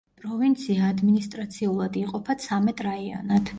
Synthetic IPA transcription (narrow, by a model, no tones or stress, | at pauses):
pʼɾɔvint̪sʰiaːd̪minist̪ʼɾat̪sʰiulˠad̪iqʼɔpʰat̪sʰamɛt̪ʼɾaia̰nad̪ʰ